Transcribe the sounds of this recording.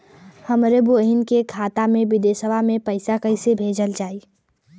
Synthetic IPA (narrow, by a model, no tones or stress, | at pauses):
həmɾebuəɦɪnkekʰaːt̪amẽʋɪd̪eːsəbʱamẽpəɪsakəɪsebʱeːd͡ʒəld͡ʒaːi